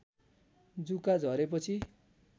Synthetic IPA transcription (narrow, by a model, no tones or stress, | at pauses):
d͡zukad͡zʱʌɾep̬ʌt͡sʰi